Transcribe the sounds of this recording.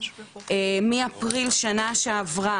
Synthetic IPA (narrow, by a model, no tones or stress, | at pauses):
emiapʁilʃanaʃeavʁa